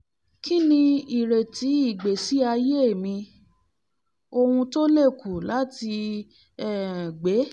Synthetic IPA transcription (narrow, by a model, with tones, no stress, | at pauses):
ki˦nĩ˧i˨ɾe˨ti˨˦i˦˨ɡ͡be˨si˦a˧je˦e˦˨mĩ˧ | o˧hũ˧to˦le˦˨ku˨la˨˦ti˧ | ɛ˦˨ɡ͡be˨˦